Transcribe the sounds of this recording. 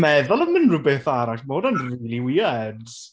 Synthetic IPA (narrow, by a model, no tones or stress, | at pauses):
mɛðɔlˠəmɪnrubeːθaɾaʃmoːdɔnriːlˠiwɪːad